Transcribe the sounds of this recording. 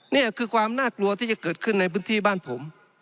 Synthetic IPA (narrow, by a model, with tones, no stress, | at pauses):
ni˥˩ɐkʰɯː˧kʰwaː˧mnaː˥˩klu˧ɐt̪ʰiː˥˩t͡ɕa˧˩˦kɤː˨˩t̪̚kʰɯ˥˩nːa˧jpʰɯː˧˥nt̪ʰiː˧˩baː˥˩˨npʰo˩˦m